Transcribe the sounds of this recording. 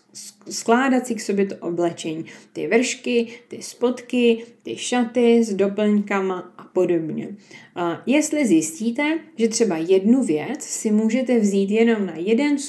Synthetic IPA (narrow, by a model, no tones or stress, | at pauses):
sklaːdat̪sɪkso̞bjɛt̪oʔo̞blɛt͡ʃɛɲiːt̪ɪvr̩ʃkɪt̪ɪspo̞t̪kɪt̪ɪʃat̪ɪzdo̞pl̩ɲkamaʔapo̞do̞bɲɛ̰ | jɛst̪lɪzjɪsciːt̪ɛʒɛt̪r̝̥ɛbajɛdnuvjɛt͡ssɪmuːʒɛt̪ɛvziːt̪jɛno̞mnajɛdɛns